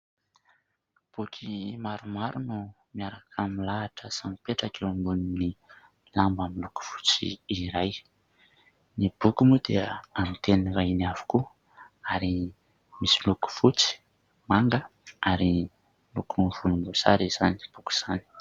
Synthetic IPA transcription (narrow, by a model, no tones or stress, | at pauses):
b̥ukʰimaɾumaɾunu | miaɾakʰamilaːʈ͡ʂəsamipeʈ͡ʂakʰewambunini | lambamiluku̥fu̥t͡sḭːɾaj | nib̥ukumud̪̥eamit̪enɾajnavu̥ku | aɾi | misiluku̥fut͡si̥ | maŋɡəaɾi | lukunvunimbusaɾiz̥ani̥b̥uku̥z̥ani̥